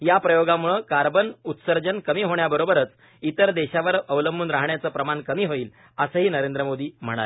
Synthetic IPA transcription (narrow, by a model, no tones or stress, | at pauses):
japɾəjoɡamuɭəkaɾbənut̪səɾd͡ʑənkəmiːɦoɳjabəɾobəɾət͡s | it̪əɾd̪eɕaʋəɾəʋləmbuːnɾaɦɳjat͡səːpɾəmankəmiːɦoiːl | əsəɦiːnəɾend̪ɾəmod̪iːm̤əɽ̃a̰le